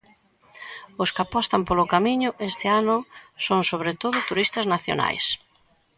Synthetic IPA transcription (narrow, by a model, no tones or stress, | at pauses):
ʊskapɔst̪ɐmpolʊkamiɲʊʔest̪ɪanʊsoŋsoβɾet̪oðʊt̪uɾist̪ɐznaθjo̰na̰js